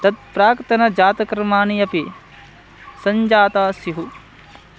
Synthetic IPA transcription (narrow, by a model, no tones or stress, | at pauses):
t̪ɐt̪̚pɾaːkt̪ɐnɐd͡ʒaːt̪ɐkɾɐmaːniɐpi | sɐɲd͡ʒaːt̪aːsiɦu